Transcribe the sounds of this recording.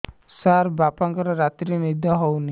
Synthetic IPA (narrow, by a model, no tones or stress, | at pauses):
saɾbapaŋkɔɾɔɾat̪ɾinid̪ʱɔɦɔwni